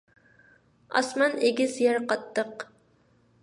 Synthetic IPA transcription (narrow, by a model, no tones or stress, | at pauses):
ɑ̰smɑneɡʲɪzjɛɾqɑt̪ːəq